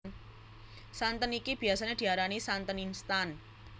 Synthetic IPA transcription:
n | sant̪ənikib̥i̤asaned̥̪i̤aɾanisant̪əninst̪an

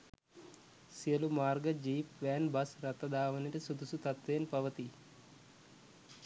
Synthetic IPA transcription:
sijɐlumaːrɡɐd͡ʒiːpʋæːnbɐsɾɐt̪ːɐd̪ʱaːʋɐnɐʈɐsud̪usut̪ɐt̪ʋejnpɐʋɐt̪i

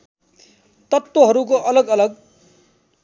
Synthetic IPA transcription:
t̪ʌt̪woɦʌɾuk̬oʔʌlʌɡʌlʌɡ

